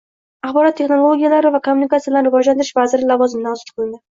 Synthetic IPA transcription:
aχbɒɾɒt̪ʰːeχno̞lˠoɡʲijalaɾɪvakʰomːunikasɪbɪlanɾɪvɒd͡ʒlant̪ɪɾɪʃvazɪɾɪlˠɒvɒzɪmd̪ansʊ̥t̪̚qʰɨlˠɪnd̪ɪ

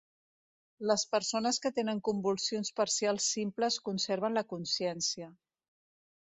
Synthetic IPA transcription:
ləspəɾsonəskət̪enəŋkumbulˠsionspəɾsialˠsːimpləskunseɾβ̞ənləkunsiɛnsiə

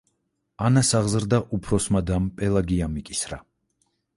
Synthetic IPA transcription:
anasaʁzɾd̪aʔupʰɾɔsmad̪ampʼɛlˠaɡiamikʼisɾa̰

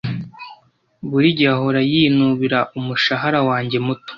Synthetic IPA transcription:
βuɾiɟaɦoɾajinuβiɾaʔumuʃaɦaɾawaːɲɟe̞muto̥

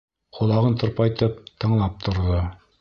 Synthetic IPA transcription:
qŏlˠɑʁɤnt̪ŏɾpɑjt̪ɤp̚t̪ɤ̆ɴlˠɑp̚t̪ʰŏɾðɤ

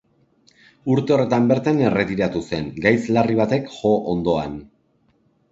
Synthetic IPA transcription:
uɾt̪e̞o̞re̞t̪ambe̞ɾt̪ane̞re̞t̪iɾat̪use̞ŋɡajslariβ̞at̪e̞kʝo̞ʔond̪o̞an

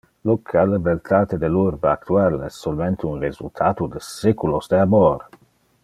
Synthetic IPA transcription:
lokʰalevelt̪ʰaːt̪ed̪eluɾbaakt̪ualɛssːolment̪ʰeunrezṵlt̪ʰaːt̪ud̪esekulosd̪eaboɾ

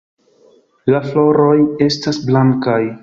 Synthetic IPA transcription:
laflo̞ɾo̞je̞stasblaŋkaj

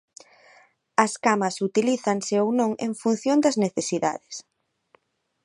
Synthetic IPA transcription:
ɐskamɐsut̪iliθɐŋseownõŋḛŋfun̟θjond̪ɐzneθesiða̰ðɪs

